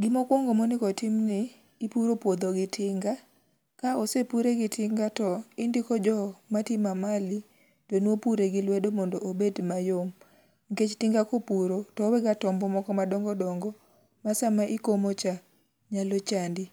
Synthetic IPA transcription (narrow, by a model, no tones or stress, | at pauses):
ɡɪmɔkwɔŋɡomonɪkɔtɪmnɪː | puɾopwod̪oɡɪtʰɪŋɡa | kaosepuɾeɡɪtʰɪŋɡatɔɪndikɔd͡ʒɔmatimamali | tonwopuɾeɡɪlwedomɔndɔʔobedmajom | ŋket͡ʃtɪŋɡakopuɾotɔwɛɡatɔmbɔmɔkɔmadɔŋɡɔdɔŋɡɔ | masamaʔɪkomot͡ʃa | ɲalot͡ʃandɪ